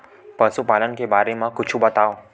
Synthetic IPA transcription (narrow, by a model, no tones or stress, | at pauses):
pəsupalənkebaɾemãkʊt͡ʃʰubət̪ao